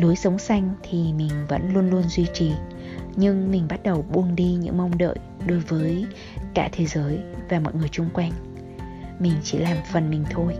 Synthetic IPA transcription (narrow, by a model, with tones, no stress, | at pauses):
lu˨˦əjsə˨˦wŋ͡msa˧jŋ̟t̪ʰi˨˩mï˨˩ŋ̟və̰˧˥nlu˧ənlu˧ənzwi˧t͡ɕi˨˩ | ɲɨ˧ŋmï̟˨˩ɓa˦˥t̚ɗə˨˩wɓu˧˩ənɗi˧ɲɨ̰˧˥ŋmə˧wŋ͡mɗə̰ː˧˨jɗo˨˦jvəː˨˦j | ka̰ː˧˥t̪ʰe˨˦zəː˨˦jvaː˨˩mo̰˨˩ŋɨ˨˩əjt͡ɕʊ˧ŋ͡mkwa˧jŋ̟ | mï˨˩ŋ̟t͡ɕḭ˧˩laː˨˩mfə˨˩nmï˨˩ŋ̟t̪ʰo˧j